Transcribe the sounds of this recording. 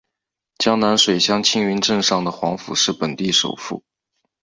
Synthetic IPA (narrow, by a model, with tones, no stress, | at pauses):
t͡ɕjɑ˥ŋna˧˥nʂwe˨˩ɪɕjɑ˥ŋt͡ɕʰi˥ŋy˧˥nʈ͡ʂə˥˧ŋʂɑ˥˩ŋd̪ə˩xwɑ˧˥ŋfṵ˨˩ʂɻ̩˥˩pə˨˩nt̪i˥˩ʂo̰˨˩ʊfṵ˥˩